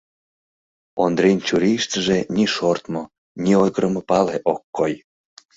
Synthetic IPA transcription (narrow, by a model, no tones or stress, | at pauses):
ond̪ɾint͡ɕuɾiʃt̪əʒenʲiʃort̪mo | nʲiojɣəɾəmopɑleʔokːoj